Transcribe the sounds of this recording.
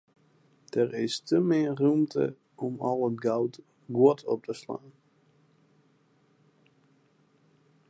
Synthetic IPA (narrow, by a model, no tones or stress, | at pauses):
d̥ərɪstəmɪərumtʰə̰ | ɔmɔlˠətɡawt | ɡwɔtʰɔp̚tʰəsla̰ːn